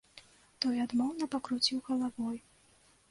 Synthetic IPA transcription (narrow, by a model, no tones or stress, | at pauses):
t̪ɔjad̪mɔwnɐpɐkɾut͡sʲiwɣɐlˠavɔj